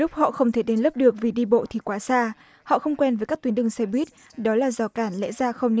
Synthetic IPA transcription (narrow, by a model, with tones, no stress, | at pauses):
lʊ˦˥k͡p̚hɔ̰˧˨xə˧wŋ͡mt̪ʰe˧˩ɗe˨˦nlə˦˥p̚ɗɨ˨˩ək̚vi˨˩ɗi˧ɓo̰˧˨t̪ʰi˨˩kwaː˨˦saː˧ | hɔ̰˧˨xə˧wŋ͡mkwɛ˧nvəː˨˦ka˦˥k̚t̪wnɗɨ˧˩ŋsɛ˧ɓwi˦˥t̚ | ɗɔ˨˦laː˨˩zɔ˨˩kaː˧˩nlɛ̰˧˥zaː˧xə˧wŋ͡mn˧